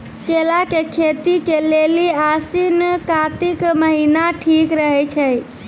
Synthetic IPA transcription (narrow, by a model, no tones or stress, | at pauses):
kelakekʰet̪ikeleliasinkat̪ikməɦinaʈʰikɾəɦɛt͡ʃʰɛj